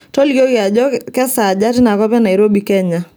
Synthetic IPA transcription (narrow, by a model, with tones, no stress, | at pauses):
tɔ˦lki˦o˦ka˨d͡ʒɔ˦kɛ˦sa˨d͡ʒa˦tɪ˦na˨kɔ˦pɛ˦na˨iɾo˦bi˨kɛ˦ɲa˨